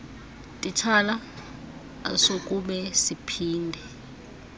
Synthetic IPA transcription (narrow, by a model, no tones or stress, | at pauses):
tʼit͡ʃʰala | asokʼuɓɛsipʰiːndʱɛ